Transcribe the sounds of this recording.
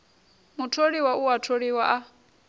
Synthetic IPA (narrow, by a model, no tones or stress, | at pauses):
mutʰoɺiwauwatʰoɺiwaʔa